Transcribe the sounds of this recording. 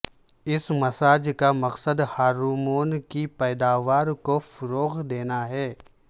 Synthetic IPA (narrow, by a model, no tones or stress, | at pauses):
ɪsmɐsaːd͡ʒkamɐqsəd̪haːɾuːmoːnkipɛːd̪aːʋaːɾkofʊɾoːɣd̪eːnaɦɛː